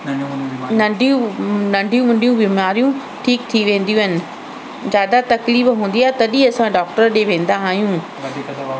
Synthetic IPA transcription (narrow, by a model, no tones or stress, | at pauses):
nɐɖũnɐ̃ɳɖʱijũmɐ̃ɳɖʱijũbiːmaːɾijũ | ʈʰiːk̚t̪ʰiʋẽːn̆d̪iũɦɪnɪ̆ | zjaːd̪at̪ɐkliːbɦũːnd̪iaːɦet̪ɐɗiɐsãɖɔːk̚ʈəɾɗeːʋẽːn̆d̪aɦaːɦjũː